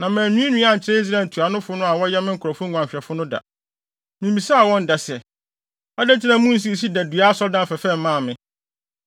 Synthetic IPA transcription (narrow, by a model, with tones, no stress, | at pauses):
nã˨mæ̃ː˨nũ˦ĩ˦nũ˦a˦˨ɲ̩˨t͡ɕʰɪ˦ɾɛ˦i˦s̬ɾa˦˨˦n˨tʰu˨a˨nʊ̃˦fʊ˦nʊ̃˦a˨wɔ˦jɛ˦mɪ̃˦ŋ̩˦kʰʊ˨ɾɔ˨fʊ̃˦˨ã˨ɕᶣɛ˨fʊ˦nʊ̃˦da̰˨ | mĩ˨mbi˨sa˦˨wɔ̃˦n˦da˨sɛ˨ | a˦dɛ˦tʰɪ˦nã˦mũ˦n̩˦s̬i˦˨s̬i˦dæ˨du˨a˦sɔ˦dã˦n˨fɛ˨fɛ˦m˦mã˦˨mɪ̃˦